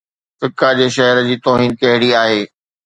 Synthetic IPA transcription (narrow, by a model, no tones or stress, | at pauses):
fɪkad͡ʑeːʃ̬ɐɦəɾəd͡ʑiːt̪oːɦiːnkɐɦɪɽiaːɦeː